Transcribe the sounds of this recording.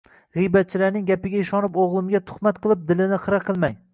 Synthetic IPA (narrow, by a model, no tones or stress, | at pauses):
ʁɨjbat̪̚t͡ʃʰɪlaɾnɪŋɡʲapɪɡʲaɪʃɒnɪpoʁlˠɪmɡʲat̪ʰʊ̥χmat̪̚qʰɨlˠɪp̚d̪ɪlɪnɪχɨɾaqʰɨlˠmaj